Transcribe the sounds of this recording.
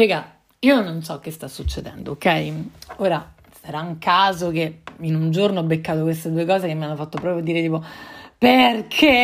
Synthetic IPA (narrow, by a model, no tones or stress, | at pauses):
iːɡa | iːononsɔkːest̪asːut͡ʃːed̪ɛ̰nd̪ookːɛjioːɾa | saɾauŋkʰaːzokeinund͡ʒoɾnoɔbːekːaːt̪ok̬west̪ed̪uekɔːzekemːianːofat̪ːopɾɔːpɾjoad̪iːɾet̪iːpoperkʰe